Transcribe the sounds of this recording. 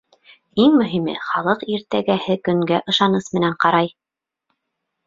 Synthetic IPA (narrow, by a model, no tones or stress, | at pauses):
iŋmɵ̆ɦimɘ̰χɑlˠɤqiɾt̪æɡæhɘkɵ̆ŋɡæʔɤ̆ʃɑnɤsmɘ̆næɴqɑɾɑj